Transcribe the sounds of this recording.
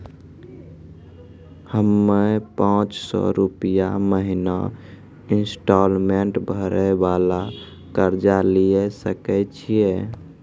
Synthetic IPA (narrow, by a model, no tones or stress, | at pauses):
həmːepãt͡ʃsɔ̰ɾupijaməɦina | insʈɔlmeɳʈbʱəɾɛbala | kəɾd͡ʒaliesəkɛt͡ʃʰije